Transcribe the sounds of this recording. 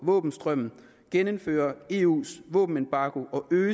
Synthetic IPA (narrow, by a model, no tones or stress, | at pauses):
ʋɔ̰ːb̥n̩sd̥ʁœm̰n̩ | ɡ̥enəmfø̰ːɐe̝ːṵːsʋɔ̰ːb̥n̩enb̥ɑ̈ːɡ̥o̝ʔɒ̽ʔøː